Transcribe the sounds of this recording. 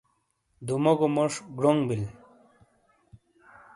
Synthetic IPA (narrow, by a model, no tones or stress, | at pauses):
d̪umokomoʂɡɽoŋbil